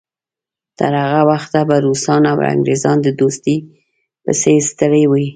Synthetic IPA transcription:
t̪ə̰ɾhaɣawaxt̪abaɾusɑnawa̰ŋɡɾezɑnd̪əd̪ost̪i | pəsest̪əɾəwə

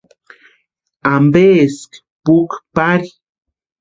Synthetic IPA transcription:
ambeːsk | pukpaɾi

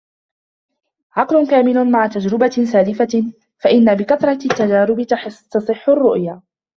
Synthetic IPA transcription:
ʕɑqlʊnkaːmɪlʊmaʕat̪ad͡ʒɾɪbasaːlɪfa | faʔɪnːabɪkaθɾˤɑt̪ːad͡ʒaːɾɪb̪t̪ɑsˤɨħːʊrˤːʊʔjaː

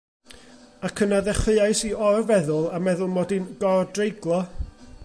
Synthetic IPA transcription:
akʰənaðɛχɨajsiɔrvɛðʊlˠamɛðʊlˠmɔdinɡɔrdrejɡlˠɔ

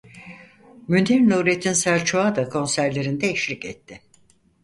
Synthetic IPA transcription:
mynd̪iɾnuɾet̪ʰinsæɾʲt͡ʃʰoad̪akʰo̞nsæɾlʲe̞ɾind̪ɛiʃlʲicɛ̰t̪ʰːɪ

